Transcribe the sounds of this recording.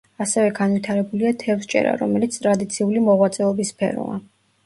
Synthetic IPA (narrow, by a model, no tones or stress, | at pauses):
asɛvɛɡanvit̪ʰaɾɛbuliat̪ʰɛfst͡ʃʼɛ̰ɾa̰ɾɔmɛlit̪sʰt̪ʼɾad̪it̪sʰiulimɔʁwat̪sʼɛɔbispʰɛ̰ɾɔ̰a̰